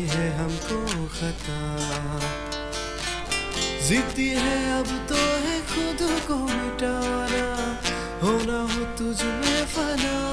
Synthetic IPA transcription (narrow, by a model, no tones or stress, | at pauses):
ɦɛɦɐmkoxɐt̪a | zɪt̪iɦɛɐbt̪oɦɛxʊd̪okomɪʈaːwana | ɦoːnaɦot̪ʊd͡ʒmefɐna